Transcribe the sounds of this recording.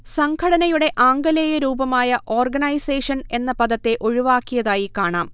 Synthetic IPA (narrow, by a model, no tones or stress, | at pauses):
sɐŋkʰɐɽɐnɐjuɽe̞ʔaːŋɡɐleːjɐɾuːbɐmaːjɐʔo̞ːrɡɐnɐjseːʂɐne̞nːɐpɐðɐt̪ːe̞ʔo̞ɻiʋaːkːijɐðaːjikaːɳaːm